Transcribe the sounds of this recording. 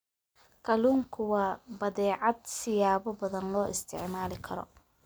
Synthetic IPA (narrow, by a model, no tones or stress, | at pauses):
kʰɐluːŋkʰʊwɑːbɐðɛːʕɑd̪sɪjaːβɔbɐðɐnlɔːʔɪst̪ʰɪ̰ʕmaːlɪkʰɐɾɔ̰